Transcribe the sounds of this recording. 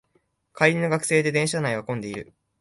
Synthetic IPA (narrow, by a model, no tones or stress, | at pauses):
kaiɾʲino̞ɡakɯ̟̥se̞ːd̪e̞d̪ẽ̞ɰ̃ɕanaiβakõ̞nd̪e̞iɾɯ̟̰